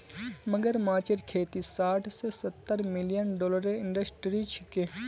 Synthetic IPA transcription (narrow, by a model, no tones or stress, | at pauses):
məɡəɾmaːt͡ʃəɾkʰeːt̪isaːʈʰsesɐt̪ːəɾmɪlijənɖɔːləɾeɪ̃ɳɖəsʈɾit͡ʃʰɪkeː